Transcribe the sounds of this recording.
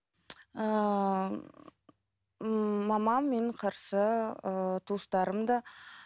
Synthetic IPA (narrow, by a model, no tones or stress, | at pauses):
ə | ɑmɑmːeɴqʰɑɾsəət̪ʰust̪ɑɾəmd̪ɑ